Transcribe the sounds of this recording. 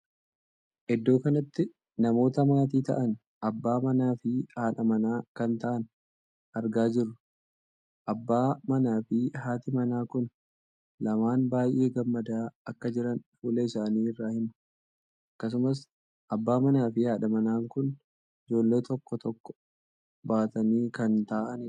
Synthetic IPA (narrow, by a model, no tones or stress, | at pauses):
ʔɛd̪ːo̞ːkɐnɐt̪ːɪ | nɐmo̞ːt̪ɐmaːt̪̬iːt̪ɐ̰ʔɐn | ʔɐbːaːmɐnaːfɪhaːᶑɐmɐnaːkɐnt̪ɐʔɐn | ɐɾɡaːd͡ʒɪrːʊ | ʔɐbːaːmɐnaːfɪɦaːt̪ɪmɐnaːkʊn | lɐmaːnbaːjʔe̞ːɡɐmːɐd̪aːɐkːɐd͡ʒɪɾɐnfuːleːɪsaːniːɪrːaːhɪmɐ | ʔɐkːɐs̬ʊmɐs̬ | ʔɐbːaːmɐnaːfɪhaːᶑɐmɐnaːŋkʊn | ɪd͡ʒo̞ːlːe̞ːt̪ɔkːɔt̪ɔkːɔ̥ | baːt̪ɐniːkɐnt̪aːʔɐn